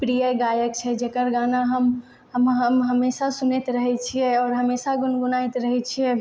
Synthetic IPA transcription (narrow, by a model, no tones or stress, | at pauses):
pɾijaɡaːjək̚t͡ʃʰɛd͡ʒeːkəɾɡaːnaɦəm | ɦəmɦəmɦəmeːsasʊnet̪ɾəɦɛt͡ʃʰiɛɔːɾɦəmeːsaɡʊnɡʊnait̪ɾəɦɛt͡ʃʰiɛ